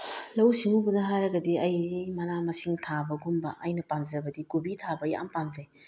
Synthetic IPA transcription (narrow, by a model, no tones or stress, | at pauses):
lɐwsiŋubudɐɦajɾɐɡɐdiɐjdimɐnamɐsiŋtʰabɐɡumbɐʔɐjnɐpamzɐbɐdikubitʰabɐja̰mpamzej